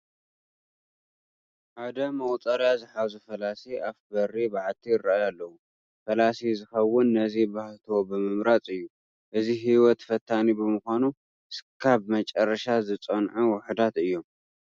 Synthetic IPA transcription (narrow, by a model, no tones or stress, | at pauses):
ʔad̪ɐmɐwt̪ʼɐɾjazɨħazufɐlasiʔafbɐrːibaʕlt̪ʰijɪɾaajalːɐwu | fɐlasizɨxɐwːʊnːɐzibaht̪ʰwobɨmɨmɾat͡sʼɨjːu | ʔɨziɦiwɔt̪fɐt̪ʰːanibɨmɨxʷanu | skʰaβmɐt͡ʃʼɐrːɐʃazɨt͡sʼɐnʕɨwʊħɨd̪at̪ɨjːo̞m